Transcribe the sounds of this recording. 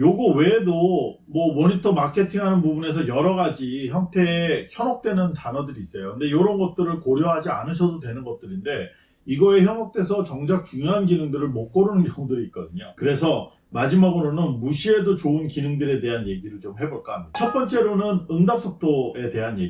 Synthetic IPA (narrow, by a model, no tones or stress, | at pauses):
joɡuwe̞do | mwʌmoɲitʰʌmakʰe̞tʰiŋɦanɯnpubune̞s̬ʰʌjʌɾʌɡad͡ʑiçjʌŋtʰe̞ːçʰjʌnʌk̚t͈we̞nɯntanʌdɯɾiːs͈ʌjokɯnde̞joɾʌnɡʌt̚t͈ɯɾɯɭkoɾjʌɦad͡ʑia̰nɯɕʰʌdodwe̞nɯnɡʌt̚t͈ɯɾinde̞ | iɡʌe̞çjʌŋʌk̚t͈e̞sʰʌt͡ɕʌŋd͡ʑak̚t͡ɕuŋjoɦanɡinɯŋdɯɾɯɭmʌk͈ʌɾunɯnʌŋudɯɾiːt̚k͈ʌdɯɲokɯɾe̞sʰʌ | mad͡ʑimaɡɯɾonɯnmuɕʰie̞dot͡ɕoɯnkinɯŋdɯɾe̞de̞ɦanje̞ɡiɾɯɭt͡ɕomhe̞boɭk͈at͡ɕʰʌt̚p͈ʌnt͡ɕ͈e̞ɾonɯnɯŋdap̚s͈ʰʌk̚t͈oe̞te̞ɦanje̞̰ɡi